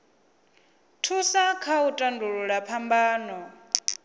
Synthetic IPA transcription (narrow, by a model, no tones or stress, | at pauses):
tʰusakʰautʼanduɺuɺapʰambaːnɔ